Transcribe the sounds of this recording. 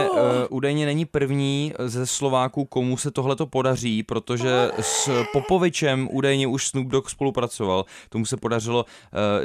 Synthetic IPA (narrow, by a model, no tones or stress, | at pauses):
ʔuːdajɲɛnɛɲɪpr̩vɲiːzɛslo̞vaːkuːko̞musɛt̪o̞ɦlɛt̪o̞po̞dar̝iːpɾo̞t̪o̞ʒɛspo̞po̞vɪt͡ʃɛmʔuːdajɲɛʔuʃsnub̚dokspo̞lupɾat͡so̞valt̪o̞musɛpodar̝ɪlo̞